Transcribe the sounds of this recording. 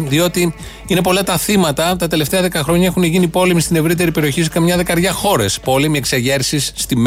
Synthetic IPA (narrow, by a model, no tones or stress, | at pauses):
ðio̞t̪i | ine̞po̞lɐt̪ɐθimɐt̪ɐt̪ɐt̪e̞le̞ft̪e̞ɐðe̞kɐxɾo̞ɲɐe̞xunʝinipo̞le̞mist̪ine̞vɾit̪e̞ɾipe̞ɾio̞çis̬kɐmɲɐðe̞kɐɾʝɐxo̞ɾe̞spo̞lemie̞kseʝe̞ɾsisːt̪im